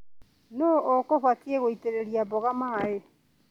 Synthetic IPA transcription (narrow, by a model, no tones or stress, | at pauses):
nookoβakieɣoiteɾeɾiabɔɣamae